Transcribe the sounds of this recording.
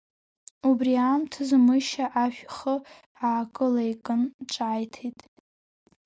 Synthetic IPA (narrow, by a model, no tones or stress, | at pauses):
ubriamtʰɨzmɨʃaʔaʃᶣχə | aːkʼɨlejkʼɨnʈ͡ʂʼaːjtʰejtʼ